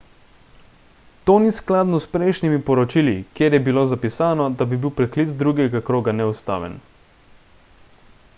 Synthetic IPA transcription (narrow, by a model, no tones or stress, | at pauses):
t̪oːnisklaːd̪nɔspɾɛjʃnimipɔɾɔt͡ʃilikjeːɾjɛbiloːzapisaːnɔd̪abibiwpɾɛklit̪t͡s̪d̪ɾuɡɛɡakɾoːɡanɛust̪a̰ːʋɛ̰n